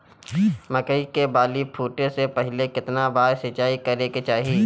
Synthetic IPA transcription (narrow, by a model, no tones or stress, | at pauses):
mɐkəikebaːlipʰuːʈesepɛɦɪlekɪt̪nabaːɾsɪt͡ʃaːikɐɾeket͡ʃaːɦiː